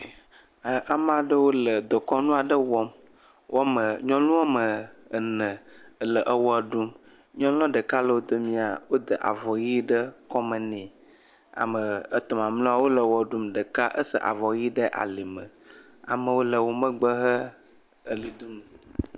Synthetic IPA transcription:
ʔa˨m˦ã˨ɖə˦wo˦lə˨d̪ɔ˨kɔ˦nũ˦a˨ɖə˦wɔ˦m | wʔɔ˦mə˨ɲɔ̃˦lũ˦wa˦mə˨ə˨nə̃˨lə˨ʔə˦wɔ˦ə˨ɖu˦m | ɲɔ̃˦lɔ̃˦ɖə˨ka˦lə˨wo˦d̪o˦mĩ˦a˨wo˦d̪ə˨ʔa̰˨vɔ˨ji˦ɖə˦kɔ˦mə˨nɛ̃˨ | a̰˨mə˨ə˨t̪ɔ˨mã˨mlɔ̃˦a˦wo˦lə˨wɔ˦˨ɖu˦mɖə˨ka˦ʔə˦sə̰˦˨ʔa̰˨vɔ˨ji˦ɖə˦ʔa̰˨li˨mə̃˨ | a̰˨mə˨wo˦lə˨wo˨mə̃˦ɡ͡bə˦ɦə˦ | ə˨li˨d̪u˦m˨

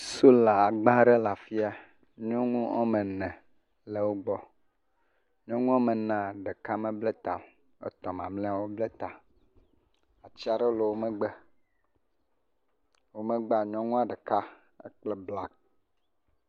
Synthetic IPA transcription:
so˦la˨a˨ɡ͡bã˦ɖe˦la˨fi˦a˦ | ɲɔ̃˦ŋũ˦ɔ̰˦mẽ˨nɛ̃˨ | le˨wo˦ɡ͡bɔ˦ | ɲɔ̃˦ŋũ˦ɔ̃˦mẽ˨nã˨ɖe˨ka˦mẽ˦ble˦t̪a˨ | ḛ˦t̪ɔ˨mã̰˨mlɛ̃˦a˦˨wo˦ble˦t̪a˨ | a˨t͡ɕi˦a˨ɖe˦lo˨wo˦me˦ɡ͡be˦ | wo˦me˦ɡ͡ba˨ɲɔ̃˦ŋũ˦a˦˨ɖe˨ka˦ | ḛ˦k͡ple˦bla˦k̚

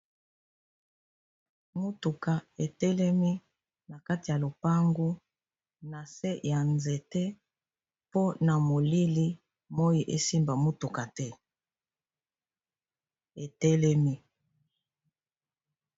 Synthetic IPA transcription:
mo˦tu˨ka˨e˨tɛ˦lɛ˦mi˦ | na˨ka˦ti˨ja˨lo˨pa˦ŋɡu˦ | na˨se˦ja˨nze˨tɛ˦ | po˦na˨mo˨li˦li˦ | mo˦ji˨ʔe˦si˦mba˨mo˦tu˨ka˨tɛ˦ | e˨tɛ˦lɛ˦mi˦

